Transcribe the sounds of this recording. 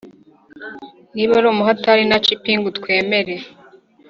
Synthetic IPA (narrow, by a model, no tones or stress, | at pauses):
niːβaɾoːmuɦataɾinat͡ʃipiŋɡutkwe̞ːme̞ɾe̞